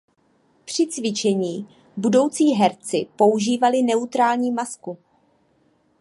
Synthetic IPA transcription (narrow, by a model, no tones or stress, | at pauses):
pr̝̥ɪt͡svɪt͡ʃɛɲiː | budo̞wt͡siːɦɛɾt͡sɪpo̞uʒiːvalɪnɛut̪ɾaːlɲiːmasku